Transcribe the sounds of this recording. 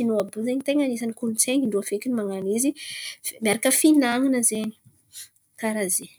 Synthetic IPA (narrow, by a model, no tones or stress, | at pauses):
inuabuzeɲit̪eŋanisanikulunt͡seŋind̪uafekinimaŋanizimiaɾakəfinaŋinəzeɲi̥ | kaɾaze